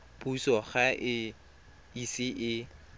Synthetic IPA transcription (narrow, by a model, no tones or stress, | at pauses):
pʼusɔχaʔɪ | isɪʔɪ